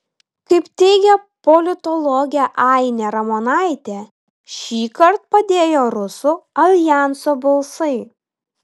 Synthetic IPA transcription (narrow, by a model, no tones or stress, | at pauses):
kɐɪpt̪ʲɛɪɡʲɛpɔlʲɪt̪ɔlˠɔɡʲɛʔɑˑɪnʲɛɾɐmoːnɑˑɪt̪ʲeː | ʃʲiːkɐɾt̪̚pɐd̪ʲeːjoːɾʊsuɐlʲjæˑnsoːbɐlˠsɐɪ